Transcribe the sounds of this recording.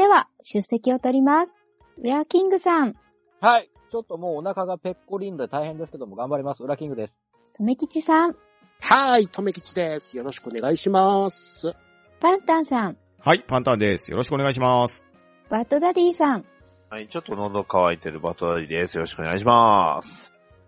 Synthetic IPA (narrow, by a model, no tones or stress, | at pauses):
d̪̥e̞βa | ɕɨsːe̞kʲio̞t̪o̞ɾʲimasɨ̥ | ɯ̟ɾakʲĩŋɡɯ̟sãŋ | hai | t͡ɕo̞t̪ːo̞moːnakaɡape̞kːo̞ɾʲĩnd̪od̪et̪aihẽ̞nd̪esɨ̥ked̪o̞mo̞ɡãmbaɾʲimasɨɯ̟ɾakʲĩŋɡɯd̪e̞sɨ̥ | t̪o̞me̞kʲit͡ɕisãŋ | hait̪ʰo̞me̞kʲi̥t͡ɕid̪esɨ̥jo̞ɾo̞ɕi̥kɯone̞ɡaiɕimas | pãnt̪ãɰ̃sãm | haipãnt̪ãnd̪e̞sɨ̥jo̞ɾoɕi̥kɯoneaiɕ̬imasɨ̥ | b̥at̪o̞d̪adʲiːsãŋ | hait͡ɕo̞t̪ːo̞nod̪okaβait̪e̞ɾɯ̟ba̰t̪od̪aɾʲid̪e̞sɨjo̞ɾo̞ɕi̥kɯone̞ɡa̰iɕ̬imasɨ̥